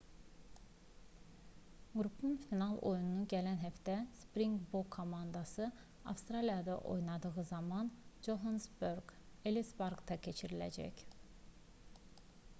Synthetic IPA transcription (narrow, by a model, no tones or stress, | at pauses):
ɡɾupʰunfinɑlˠʔo̞̰jununuɟælænɦæft̪æspɾiŋɡbokʰːo̞mɑnd̪ɑsɯ | ɑ̰fst̪ɾɑlijɑd̪ɑ̰ʔo̞̰jnɑd̪ɯɣɯzɑmɑnd͡ʒoɦansbøɾɡelisbɑɾɡt̪ʰɑcʰe̞t͡ʃʰiɾilæ̰d͡ʒæ̰c